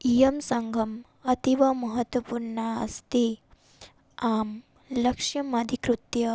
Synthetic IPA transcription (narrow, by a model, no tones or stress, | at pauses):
ijɐmsɐŋɡʱɐm | ɐt̪iʋɐmɐɦɐt̪ʋɐpuɾɳaɐ̰st̪e | aːm | lɐkʂjɐmɐd̪ʱikɾut̪jɐ